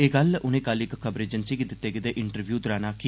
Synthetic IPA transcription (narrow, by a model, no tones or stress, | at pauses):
eːɡəlʊnẽkaːlɪkkʰəbɾeːd͡ʒənsiːkɪd̪ɪt̪ːeːɡɪd̪eːʔɪɳʈəɾʋjuːd̪ʊɾaːnaːkʰi